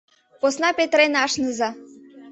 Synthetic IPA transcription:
posnɑpet̪ɾenɑʃnɤzɑ

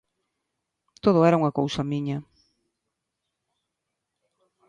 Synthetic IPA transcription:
t̪oð̞ʊɛɾauŋɐkowsɐmiɲɐ

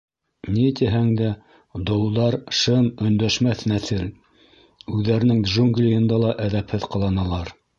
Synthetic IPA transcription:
nit̪iɦæŋd̪æ | d̪ŏwðɑɾʃɤmɵ̆nd̪æʃmæθnæθɘl | ʉðːæɾɘ̆nɘŋʒuŋɡlʲɪɤ̆nd̪ɑlˠɑʔæðæphɘðqɑlˠɑnɑlˠɑɾ

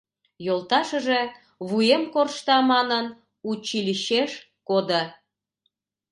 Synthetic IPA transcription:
jolˠt̪ɑʃəʒe | βujemkorʃt̪ɑmɑnən | ut͡ɕilʲiʃeʃ | kod̪ə

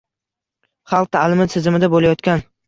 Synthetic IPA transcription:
χɑl̚ˠt̪ʰalɪmɪsʰɪzɪmɪd̪abolajɒt̪kʲan

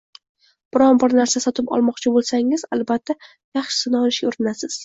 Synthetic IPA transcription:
b̥ɪɾɒnbɪɾnaɾsasɒt̪ʰɪpɒ̰lˠmɒqt͡ʃʰɪbolˠsaŋɪzalˠbat̪ʰːa | jɑχʃɪ̥sɪnɒlɪʃɡʲaʊɾɪnasɪz̥

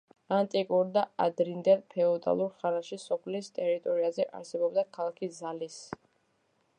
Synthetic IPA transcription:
ant̪ʼikʼuɾd̪aad̪ɾind̪ɛlpʰɛɔd̪a̰lˠuɾχanaʃisɔpʰlist̪ʼɛɾit̪ʼɔɾiazɛʔa̰ɾsɛbɔbd̪akʰalˠakʰizalis

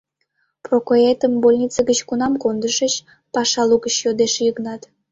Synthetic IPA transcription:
prokoet̪əmbolʲnʲit͡səɡət͡ɕkunɑmkond̪əʃət͡ɕ | pɑʃɑluɣət͡ɕjod̪eʃjəknɑt̪

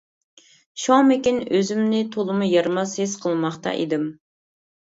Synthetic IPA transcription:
ʃɑmɪkʲinøzymnɪt̪ʰolˠɨmujɑɾmɑshesqʰəlˠmɑχt̪ɑ̰ʔḭd̪ɪm

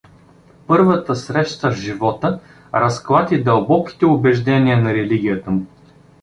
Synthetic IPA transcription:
pɤɾvət̪əsɾɛʃt̪əvʒivɔt̪ə | ɾɐsklˠat̪ʲid̪ɐlˠbɔki̥t̪ɛʊbɛʒd̪ɛniənɐɾɛliɡʲijət̪əmʊ

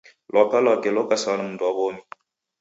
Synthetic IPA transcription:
lʔɔkalɔkelokasɔnəmdɔbomi

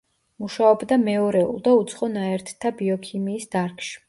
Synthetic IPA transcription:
muʃaɔbd̪amɛɔɾɛṵlˠd̪aut̪sʰχɔnaɛɾt̪ʰt̪ʰːabiɔkʰimiːsd̪̥aɾkʰʃi̥

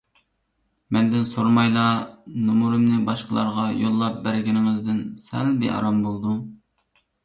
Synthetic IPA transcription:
mɛnd̪ɪnsoɾmɑjlˠɑnumuɾɨmnɪbɑʃqəlˠɑ̰ɾʁɑjolˠːɑp̚bæɾɡʲinɪŋɪzd̪ɪnsæ̰lbɪ̰ʔɑ̰ɾɑmbolˠd̪u

